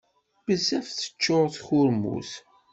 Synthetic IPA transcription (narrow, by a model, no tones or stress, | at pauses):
bəzːæfθə̥t͡ʃːoʁθçʊɾmṵθ